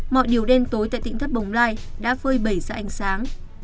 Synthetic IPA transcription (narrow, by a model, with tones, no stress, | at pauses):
mɔ̰˧˨jɗi˧˩əwɗe˧nt̪o˨˦jt̪a̰ː˧˨jt̪ï˧˨ŋt̪ʰə˦˥ɓə˨˦wŋ͡mlaː˧j | ɗa̰ː˧˥fəː˧jɓə˧˩jza̰ː˧˩ʔa˨˦jŋ̟saː˨˦ŋ